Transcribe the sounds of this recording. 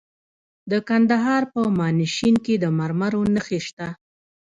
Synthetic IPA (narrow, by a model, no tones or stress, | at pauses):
d̪əkand̪aɦɑɾpəmɑnɪʃinked̪əmaɾmaɾonəxeʃt̪a